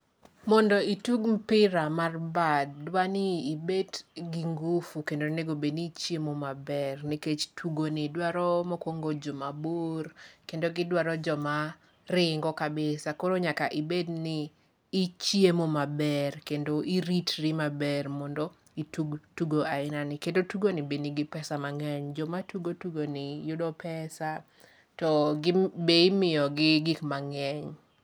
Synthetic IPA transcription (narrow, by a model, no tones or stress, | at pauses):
mɔndɔituɡm̩pɪɾamarbadːwanɪːbedɡiŋɡufukendoneɡobenit͡ʃjemomabɛrniket͡ʃtʰuɡonidwaɾɔmɔkwoŋɡod͡ʒomaborkendoɡɪdwaɾɔd͡ʒɔma | rɪŋɡɔkabɪsakoɾoɲakaʔibednɪː | t͡ʃjemomabɛrkendoʔiɾitɾimabɛrmɔndɔ | ituɡtuɡoaɪnanɪkendotuɡonibeniɡɪpɛsamaŋɛɲd͡ʒɔmatuɡotuɡonɪjʊdɔpɛsa | tɔɡɪbeimɪjɔɡɪɡikmaŋɛɲ